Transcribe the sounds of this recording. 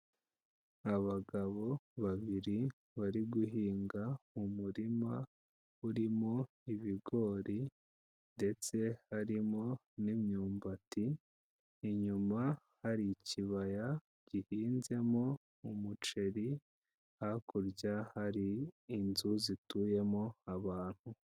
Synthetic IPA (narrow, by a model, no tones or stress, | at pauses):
aβaɡaβo̞βaβiɾi | βaɾiɡuɦiːŋɡamumuɾima | uɾimo̞ | iβiɡo̞ːɾi | nde̞t͡se̞haɾimo̞ | nimɲuːmbatiː | ɲuma | haɾiciβaja | ɟ̥ihiːnze̞mo̞ | umut͡ʃe̞ɾi | hakuɾɟahaɾiːnzuzituːje̞mo̞aβaːn̥hu